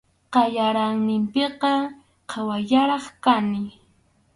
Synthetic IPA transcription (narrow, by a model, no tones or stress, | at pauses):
qɑʎaɾaŋnɪmpɪqɑ | qʰɑwajaɾɑχkanɪ